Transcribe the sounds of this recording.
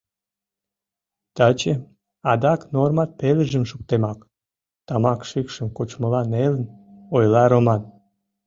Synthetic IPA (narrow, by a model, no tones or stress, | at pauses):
t̪ɑt͡ɕe | ɑd̪ɑknormɑt̪̚peləʒəmʃuk̚t̪emɑk | t̪ɑmɑkʃikʃəmkot͡ɕməlɑnelənojlɑɾomɑn